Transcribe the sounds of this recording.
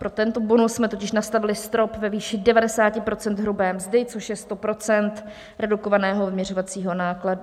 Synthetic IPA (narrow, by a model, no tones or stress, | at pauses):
pɾo̞t̪ɛnt̪o̞bo̞nussmɛt̪o̞cɪʃnast̪avɪlɪst̪ɾo̞pvɛviːʃɪdɛvadɛsaːcɪpɾo̞t͡sɛnt̪ɦɾubɛːmzdɪt͡so̞ʃjɛst̪o̞pɾo̞t͡sɛnt̪ | ɾɛduko̞vanɛːɦo̞vmɲɛrovat͡siːɦo̞naːkladu